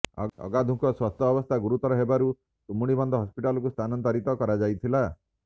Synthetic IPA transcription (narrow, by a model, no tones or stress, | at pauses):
ɔ̰ɔ̰ɡad̪ʱuŋkʰɔswast̪ʰɔbɔst̪ʰaɡuɾut̪ɔɾɔɦebaɾu | t̪umuɽ̃ibɔnd̪ʱɔɦɔspiʈalɔkust̪ʰanɔnt̪aɾit̪ɔkɔɾad͡ʒajt̪ʰila